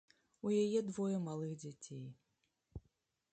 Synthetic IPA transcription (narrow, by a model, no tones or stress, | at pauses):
ujajɛd̪vɔjɐmalˠɨɣd͡zʲat͡sʲej